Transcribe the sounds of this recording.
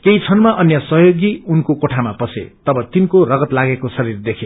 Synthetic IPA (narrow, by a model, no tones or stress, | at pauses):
kejt͡sʰʌnmaʔʌnjʌsʌɦjoɡiunkokoʈʰamapʌsḛt̪ʌbʌt̪inkorʌɡʌt̪laɡekosʌɾird̪ekʰe